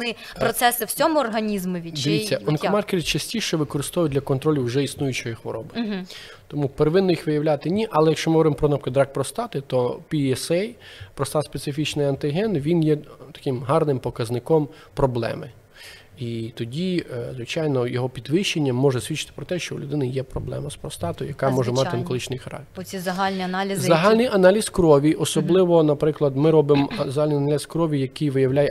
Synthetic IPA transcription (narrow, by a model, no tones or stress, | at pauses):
nɪ | pɾɔt̪sɛsɪw̥t͡sʲɔmʊɔrɦɐnʲizmʊʋʲid̪eʋʲit͡sʲːɐɔnkɔmɑrkʲeɾʲɪt͡ʃɐsʲtʲiʃɛʋɪkɔɾɪst̪ɔʋʊjʊd̪ʲlʲɐkɔnt̪ɾɔlʲiwʒɛisnujʊt͡ʃɔjixʋɔɾɔbɪ | t̪ɔmupeɾeʋɪnːɔjixʋɪjɐwlʲat̪ɪnʲiʔɐlˠɛjɐkʃt͡ʃɔmɪɦɔɔɾɪmpɾɔnɔpkɪd̪ɾɑk̚pɾɔst̪ɑt̪ɪt̪ɔpʲiɛsɛjpɾɔst̪ɑt̪spet̪sɪfʲit͡ʃnɪjɐnt̪ɪɦɛnʋʲinjɛt̪ɐ̥kɪmɦɑrnɪmpɔkɐznɪkɔm | pɾɔblˠɛ̰mɪ | it̪ɔdʲizʋɪt͡ʃɑjnɔjɔɦɔpʲid̪ʋɪʃt͡ʃːenʲːɐmːɔʒɛsʲʋʲitt͡ʃːɪ̥t̪ɪ̥pɾɔt̪ɛʃt͡ʃɔṵlʲʊd̪ɪnɐjɛpɾɔblˠɛ̰mɐspɾɔst̪ɑt̪ɔjjɐkɑmɔʒɛmɑt̪ɪnkɔlˠɪt͡ʃnɪjxɐɾɑ̰k̚t̪e̥ɾʲizɐɦalʲnʲiɐnalʲizzɐɦalʲnɪjʔɐnɑlʲiskɾɔʋʲiʔɔsɔblˠɪʋɔnɐpɾɪklˠɐd̪mɪɾɔbɪmzɐɦalʲnɪjɐnalʲiskɾɔʋʲijɐkɪjʋɪjɐwlʲajɛ